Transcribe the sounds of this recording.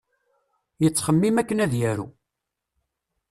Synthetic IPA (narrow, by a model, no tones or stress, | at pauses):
jət͡sːχəmːimækːənæðjæɾṵ